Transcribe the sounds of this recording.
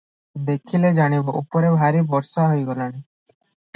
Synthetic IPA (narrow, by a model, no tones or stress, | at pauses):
d̪ekʰiled͡ʒaɽ̃ibɔʔupɔɾebʱaɾibɔɾsaɦojɡɔlaɽ̃i